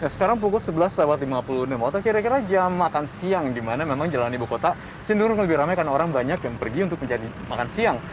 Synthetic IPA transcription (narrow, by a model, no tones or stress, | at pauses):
nasə̥kaɾaŋp̬ukʊlsəbəlasːəlawat̪limapulunəmot̪akiɾakiɾad͡ʒamːakansiaŋdimanamemaŋd͡ʒalanibukot̪a | t͡ʃinduɾʊŋləbɪhɾamajkanaoɾaŋbaɲakjaŋpərɡiunt̪ʊk̚məɲd͡ʒadi | makansiaŋ